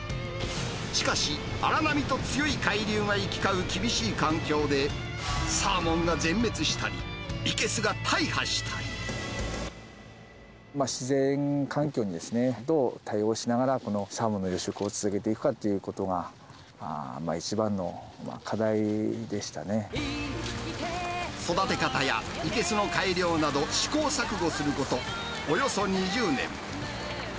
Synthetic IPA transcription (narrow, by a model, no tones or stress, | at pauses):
ɕi̥kaɕi | aɾanamʲit̪o̞t͡sɨjo̞ikaiɾʲɨːŋaikʲi̥kaɯ̟kʲibʲiɕiːkãŋkʲo̞ːd̪e̞ | saːmõ̞ŋɡazẽ̞mːe̞t͡sɨɕi̥t̪aɾʲḭike̞sɨɡat̪ʰaihaɕi̥t̪ʰḁɾʲḭ | maɕizẽ̞ŋkʰãŋkʲo̞ːɲ̟id̪e̞sɨne̞d̪o̞ːt̪ʰaio̞ːɕinaɡaɾako̞no̞samɯ̟nːo̞jo̞ɕokɯ̟o̞t͡sɨzɨke̞t̪e̞ikɯ̟̥kat̪ːe̞jɯ̟ko̞t̪o̞ɡa̰ | ma̰it͡ɕibãnːo̞ma̰kʰad̪aid̪e̞ɕi̥t̪ane̞ | so̞d̪at̪e̞kat̪aja̰ike̞sɨno̞kaiɾʲjo̞ːnad̪o̞ɕi̥ko̞ːsakɯ̟ɡo̞sɨɾɯ̟ko̞t̪o̞ː | jo̞so̞ɲ̟iʑɨːnḛ̃m